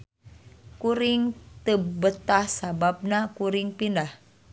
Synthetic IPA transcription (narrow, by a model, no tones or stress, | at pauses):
kuɾɪŋt̪əbət̪ahsabab̚nakuɾiŋpindah